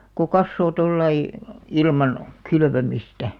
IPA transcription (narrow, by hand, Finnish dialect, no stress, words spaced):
ko kɑsːoː tolːɑi ilmɑn kylʋømistæ